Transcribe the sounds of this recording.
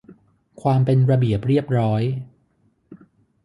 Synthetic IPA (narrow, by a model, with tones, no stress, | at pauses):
kʰwaː˧mpe˧nɾa˧bi˨˩əp̚ɾi˥˩əp̚ɾɔː˦˥j